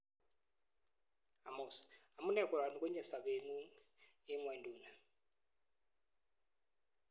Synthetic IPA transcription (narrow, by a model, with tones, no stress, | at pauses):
a˨mɔ˨sa˨mu˦nɛ˦˨ku˨ɾa˨nu˨ku˦ɲɛ˨sa˨βe˨mu˦e˦mwɛ˨ndu˨na˨